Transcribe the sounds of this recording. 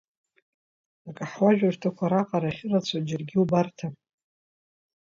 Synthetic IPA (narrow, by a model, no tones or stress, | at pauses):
akʼaħwaʒᶣartʰakʷʰaɾaqʼaɾaχʲɪlat͡sʰad͡ʒɪrɡʲiubartʰa